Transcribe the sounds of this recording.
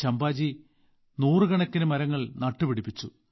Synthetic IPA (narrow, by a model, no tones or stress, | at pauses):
t͡ɕɐmbaːd͡ʑi | nuːrɨɡɐɳɐkːinɨmɐɾɐŋːɐɭnɐʈːɨʋiɽipːit͡ɕːu